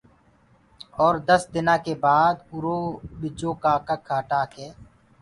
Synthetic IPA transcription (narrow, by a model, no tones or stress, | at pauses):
ɔːɾd̪əsd̪ɪnãːkebaːd̪kʊɾoːbɪd͡ʒõːkaːkakʰːaːʈaːkɦɛː